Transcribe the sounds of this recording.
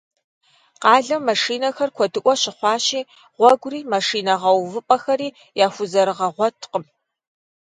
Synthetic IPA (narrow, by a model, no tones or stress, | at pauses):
qɑːɮɐmːɐʂiːnɐxɐrkʷʰɔdɨʔʷɔɕɪχʷɑːɕiː | ʁʷɔɡʷriːmɐʂiːnɐʁɐwvɨpʼɐxɐɾiː | jaːxʷʊzɐɾɨʁɐʁʷɔtʰqəm